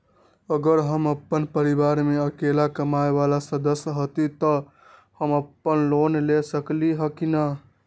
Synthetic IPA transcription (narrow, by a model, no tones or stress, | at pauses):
əɡəɾɦəməpːənpəɾibaɾmeəkelakəmaebalasəd̪əsjɦot̪it̪ə | həməpːənlonlesəkliɦəkina